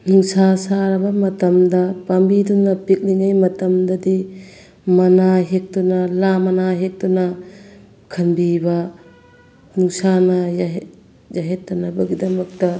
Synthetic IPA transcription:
nuŋsasaɾbɐmɐtɐmdɐpambidunːɐpik̚liŋajmɐtɐmdɐdi | mɐnaɦek̚tunɐlamɐnaɦek̚dunɐ | kʰɐnbibɐ | nuŋsanɐjɦ | d͡ʒaɦetːɐnɐbɐɡidɐmɐk̚tɐ

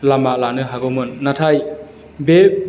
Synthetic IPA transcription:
lamalanɯɦaɡɔmɯnːatʰaj | be

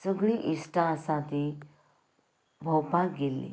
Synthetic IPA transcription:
səɡɭiʔisʈãsãt̪i | bʱəwpãkɡelːḭ

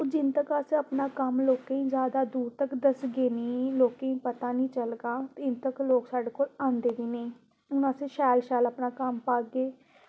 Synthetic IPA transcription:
od͡ʒɪnt̪əkasẽəpnaːkəmloːkẽĩːzjaːd̪aːd̪uːɾt̪əkd̪əsɡeːnĩːloːkẽĩːpət̪aːnĩːt͡ʃəlɡaːt̪ɪnt̪əkloːksaːɖeːkoːlãːnd̪eːd̪iːneĩː | ʊnaːsẽːʃɛːlʃɛːlapnaːkəmpaːɡeː

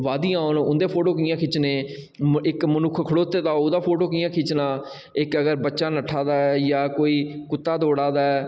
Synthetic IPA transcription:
ʋaːd̪iːãːnʊnd̪eːpʰoːʈoːk̬ɪːãːkʰɪt͡ʃneː | ɪkmənʊkʰkʰəɽoːt̪ːeːd̪aːʊd̪aːpʰoːʈoːkɪjãːkʰɪt͡ʃnaː | ɪkəɡəɾbətːʃaːnəʈʰːaːd̪aːɛːjaːkoːiːkʊt̪ːaːd̪oːɽaːd̪aːɛː

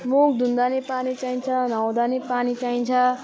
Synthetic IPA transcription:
mok̚d̪ʱund̪anepanit͡saĩnt͡sʰʌnawd̪anepanit͡saĩnt͡sʰʌ

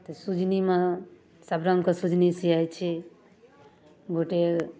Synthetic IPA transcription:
t̪əsud͡ʒʱnimẽ | səbɾaŋkəsud͡ʒʱnisiajt͡ʃʰi | ɡoʈeɾ

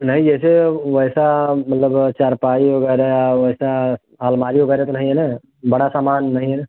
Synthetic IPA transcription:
nəɦĩd͡ʒɛseʋəɪsamɐt̪ləbt͡ʃaɾpaːiɦoɡɛɾeaʋəɪsa | ɦaːlmaːɾiɦoɡəɾɛt̪onəɦĩɦene | bəɽasaːmaːnːəɦĩɦene

